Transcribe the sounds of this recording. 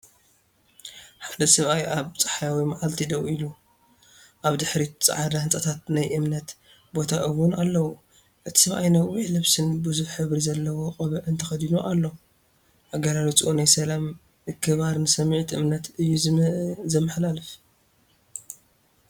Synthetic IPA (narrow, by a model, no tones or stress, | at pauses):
ħad̪ɐsɐβʔajʔaβt͡sʼɐ̥ħajawimaʕalt̪ʰid̪ɐwilu | ʔaβd̪ɨħɾit͡sʼa̰ʕadahɨnt͡sʼɐt̪ʰat̪̚najʔɨmnɐt̪ | bo̞t̪ʰaʔɨwunalːɐwu | ʔɨt̪ʰi̥sɐβʔa̰jnawwiʕlɐβsɨnbɨzuβħɨβɾizɐlːɐwoqʼɐβɐʔɨnt̪ʰɐxɐd̪inoʔalːo | ʔaɡalalit͡sʼʔonajsɐlam | ɨkʰːɨβaɾnɨsɐmʕt̪ʰʔɨmnɐt̪ɨjːuzɐmːɨħlalɨf